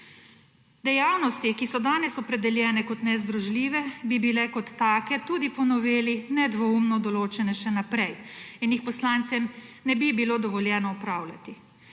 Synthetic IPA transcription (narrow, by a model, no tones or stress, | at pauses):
d̪ɛjawnɔst̪ikisɔd̪aːnɛsɔpɾɛd̪ɛljɛːnɛkɔt̪nɛzd̪ɾɔʒliːʋɛbibilɛkɔt̪ːaːkɛt̪uːd̪ipɔnɔʋeːlinɛd̪ʋɔumnɔd̪ɔloːt͡ʃɛnɛʃɛnapɾɛjinjixpɔslaːnt̪sɛmnɛbibilod̪ɔʋɔljɛːnɔɔpɾaːwlʲa̰t̪i